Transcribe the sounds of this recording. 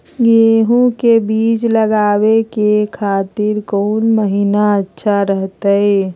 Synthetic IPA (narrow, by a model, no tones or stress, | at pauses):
ɡeːɦũkebiːt͡ʃləɡaːwekekʰaːt̪ɪɾkoːnməɦiːnaətːʃʰaɾəɦt̪aɦe